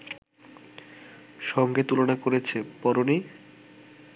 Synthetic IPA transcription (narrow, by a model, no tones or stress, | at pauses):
ʃɔŋɡet̪ulonakoɾet͡ɕʰepɔɾoni